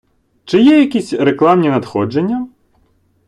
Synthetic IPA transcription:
t͡ʃɪjɛjɐkʲisʲreklˠɑmnʲinɐd̪xɔd͡ʒenʲːɐ

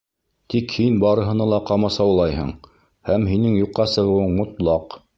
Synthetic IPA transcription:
t̪ikhinbɑɾɤ̆ɦɤ̆nɑlˠɑqɑmɑsɑwlˠɑjɦɤ̰ɴ | hæmɦinɘŋjuqːɑsɤ̆ʁɤ̆wɤɴmŏt̪lˠɑq

